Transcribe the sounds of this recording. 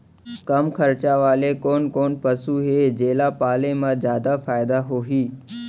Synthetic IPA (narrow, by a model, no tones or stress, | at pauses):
kəmkʰəɾt͡ʃaʋaːlekoːnkoːnpəsuːɦeːd͡ʒeːlapaːlemãzjaːd̪afaːɪd̪aɦoːɦiː